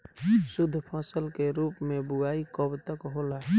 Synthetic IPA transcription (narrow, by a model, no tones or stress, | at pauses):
sʊd̪ʱːəpʰaːsəlkeɾuːpmẽbʊaːikɔbt̪əkɦolaɦɛ